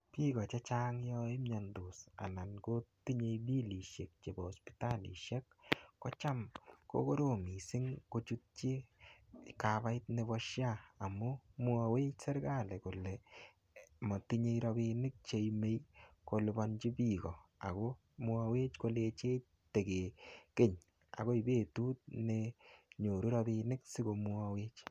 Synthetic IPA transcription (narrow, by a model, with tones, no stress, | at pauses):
pi˦ɣɔ˨t͡ʃe˦t͡ʃa˦ŋjɔ˦ɪ˦mɲɔ˨ndu˨sa̰˨na˨nko˦ti˦ɲe˧jbi˦li˨ʃe˨k̚t͡ʃe˨bɔɔ˨spi̥ta˦lḭ˨ʃe˦kːɔ˦t͡ʃa˦mko̰˦ko˦ɾo˨mi˨sɪ˦ŋkot͡ʃu˦t̚t͡ʃi˦ | kaba˦ɪtne˨βɔ˦ʃjaː˦˨mʊ˦mu˦awe˦t͡ʃsɛ˦ɾɡa˦˨le˨kʊ˨lɛ˨ | mɔ˨tɪ˦ɲe˦˧iɾɔ˧bi˧nɪ˦k̚t͡ʃe˧ime˦jko˨lʊbɔ˧nt͡ʃi˦pi˦kɔ˨a̰˨ko˦ | mʊ˦a˧we˦t͡ʃko˦let͡ʃe˦ | te˨ke˨ke˦ɲ | a̰˨ko˦i˨be˦˨tu˦t̚neɲo˨ɾu˦ɾɔ˧bi˧nɪ˦ksɪ˦ko˧mu˦a˧we˦t͡ʃ